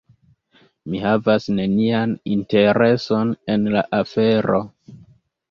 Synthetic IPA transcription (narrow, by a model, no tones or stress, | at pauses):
mihavasne̞nianinte̞ɾe̞so̞ne̞nlaʔafe̞ɾo̞